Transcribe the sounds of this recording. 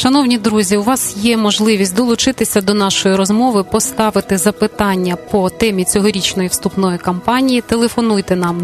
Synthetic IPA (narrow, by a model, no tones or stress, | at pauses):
ʃɐnɔwnʲid̪ɾuzʲiʊʋɑsjɛmɔʒlˠɪʋʲisʲtʲd̪ɔlˠʊt͡ʃɪt̪ɪsʲɐd̪ɔnɑʃɔjiɾɔzmɔʋɪpɔst̪ɑʋɪt̪ɪzɐpɪt̪ɑnʲːɐpɔt̪ɛmʲit͡sʲɔɦɔɾʲit͡ʃnɔjiwst̪upnɔjikɐmpɑnʲijit̪elˠefɔnujt̪ɛnɑm